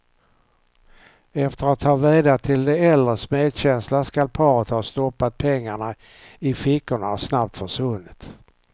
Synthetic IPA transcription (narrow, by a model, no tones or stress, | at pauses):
ɛft̪əɾat̪ʰːɑːviːd̪at̪ʰɪld̪ɛɛld̪ɾəsmeːd̪ɕɛnslaskalpʰɑːɾət̪hɑːst̪ɔpːat̪̚pʰɛŋːaɳa | ɪfɪkːʊɳaaʂnap̚t̪fœʂvɵnːɪt̪